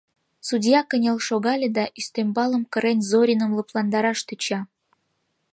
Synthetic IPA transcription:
sudʲjɑkənʲelʃoɣɑlʲĕd̪ɑʔyst̪ømbɑləmkə̆ɾenʲzoɾʲinə̆mləplˠɑnd̪ɑɾɑʃt̪yt͡ɕɑ

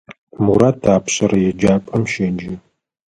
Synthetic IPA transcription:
muɾatʰaːpɕʼɐɾɐjɛd͡ʒaːpʼɐmʃɐnd͡ʒɪ

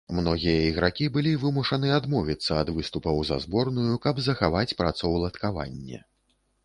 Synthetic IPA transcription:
mnɔɣʲijɐiɣɾakʲibɨlʲivɨmuʂɐnɨad̪mɔvʲit̪sːɐːd̪vɨst̪upɐwzɐ̰zbɔrnujukɐbzɐxavat͡sʲpɾat̪sɔwlˠɐt̪kava̰nʲːɛ̰

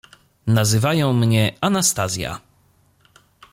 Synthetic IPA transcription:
nazɘvajɔ̃w̃mɲɛanast̪azʲja̰

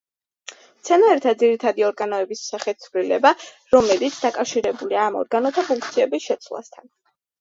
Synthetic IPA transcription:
t̪sʰɛnaɛɾt̪ʰad̪ziɾit̪ʰad̪iɔɾɡanɔɛbissaχɛt̪̚ʰsʰvlilɛba | ɾɔmɛlit̪sʰd̪akʼafʃiɾɛbuliaːmɔ̰ɾɡanɔt̪ʰapʰuŋk̚t̪sʰiɛbisʃɛt̪sʰwlˠa̰st̪ʰan

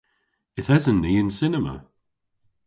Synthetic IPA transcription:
ɪθhɛzənːiːɪ̃nsɪnəmə̰

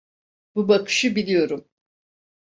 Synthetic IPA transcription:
b̥ubakʰɯ̥ʃɯbilʲijo̞ɾum

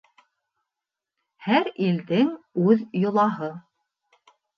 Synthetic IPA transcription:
hæɾild̪ɘŋʉðjŏlˠɑɦɤ

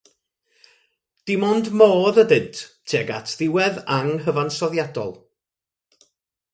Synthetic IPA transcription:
d̥ɪmɔndmoːðədɨntʰtʰeːɡa̰tʰðɪwɛðaŋɦəvansɔðjadɔ̰lˠ

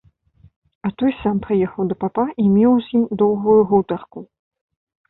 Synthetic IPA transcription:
ɐt̪ɔjsampɾɨjɛxɐwd̪ɐpapaʔimʲɛwzʲimd̪ɔwɣujuɣuwt̪ɐrku

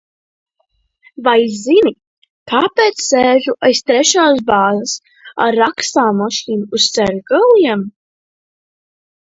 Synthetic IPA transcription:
vajzini | kʰaːpeːt̪ssɛːʒuʔajst̪ɾɛʃaːs̬baːzəs | a̰ɾːakst̪aːmaʃiːnuust̪sɛɾʲɡalˠiɛm

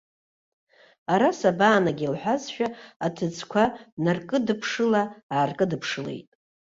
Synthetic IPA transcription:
aɾasabaːnaɡʲilħʷᶣazʃᶣaatʰɨd͡zʰʼkʷʰanarkʼɨdɨpʰʂɨlaaːrkʼɨdɨpʰʂɨle̞̰jtʼ

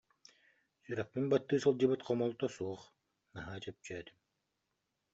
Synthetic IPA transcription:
syɾakmimbat̪ːɯːsɯlˠd͡ʑɯbɯt̪qʰɔmɔlˠt̪ɔsuːɔχ | naɦaːt͡ɕɛp̚t͡ɕœːt̪im

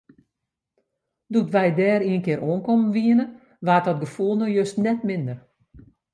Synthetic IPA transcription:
dutʋɛjdɛːɾiənkɪɾʔoənkɔmənʋiənə | ʋaːt̚ɔt̚ɡəfulˠnojøstnɛtmɪndər

